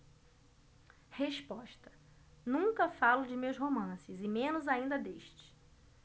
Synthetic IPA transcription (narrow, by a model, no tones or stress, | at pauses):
heʃpɔʃt̪ɐ̥ | nũŋkɐfalʊd͡ʒɪmewsɦomɐ̃sɪzɪmẽnʊzaĩnd̪ɐd̪eʃt͡ʃɪ̥